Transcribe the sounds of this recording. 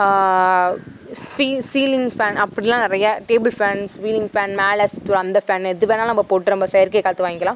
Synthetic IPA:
sfiːsiːlɪŋɡfaːnɐpːɐɽɪlãːnɪɾɐjɐʈeːbɪlfaːnsʋiːlɪŋfaːnmaːlɐst̪uɾɐnd̪ɐfaːnɛðɯʋeːnaːnɐmbɐpoːʈːɯɾɔmbɐsɐjɐɾkɐːkaːt̪ːɯʋaːŋɡɪŋɡɐlãː

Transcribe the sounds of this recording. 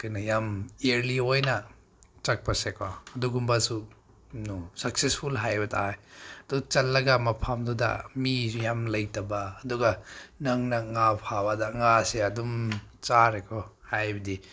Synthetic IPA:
kajnɐjameɾliojnɐ | t͡ʃɐk̚pɐsekʰaɐduɡumbɐsu | nusɐk̚sespʰulɦajbɐtʰa̰jɐd̥uɡɐt͡ʃɐlːɐɡɐmɐpʰamdudɐ̰mijamlɐjtɐbɐːduɡɐnɐŋnɐŋapʰabadɐŋaseɐdumt͡ʃaɾekʰɔhajbɐdi

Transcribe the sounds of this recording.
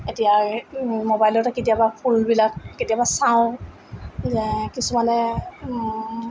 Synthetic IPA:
etija | mobajlɔtɛketijabapʰulbilak̚ketijabasaʊ̃ | zɛkisumanɛ

